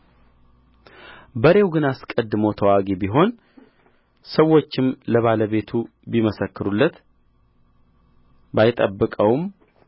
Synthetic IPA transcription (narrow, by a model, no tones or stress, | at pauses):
bəɾe̞wɡɨnaskʼəd̪ːɨmot̪ʰəwaɡebiɦo̞n | səwːot͡ʃːɪmləβaləβe̞t̪ʰu | biməsəkːɨɾulːət̪ | bajɪt̪ʼəbːɨkʼəwm